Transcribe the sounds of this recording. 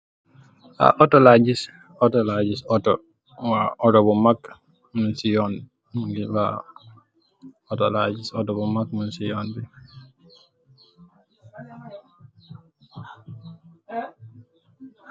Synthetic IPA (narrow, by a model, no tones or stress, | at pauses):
a̰ʔɔtɔlad͡ʒis | ɔtɔlad͡ʒisɔtɔ | waɔtɔbɔmak | munsijɔn | mɡiwa̰ | ɔtɔlad͡ʒisɔtɔbɔmakmunsijɔndi